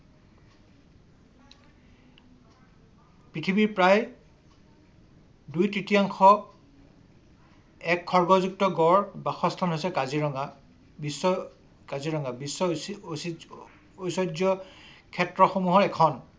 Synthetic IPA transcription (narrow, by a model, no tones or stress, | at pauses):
pɹitʰibiɹpɹaj | dujtɹitijaŋxɔ | ɛkʰːɔɹɡɔzuktɔɡɔɹbaxɔstʰanɦojsɛkaziɹɔŋɡa | bisɔ | kaziɹɔŋɡabisːɔ | ojsɔd͡ʒjɔkʰɛtɹɔxomuɦɔɹɛkʰɔn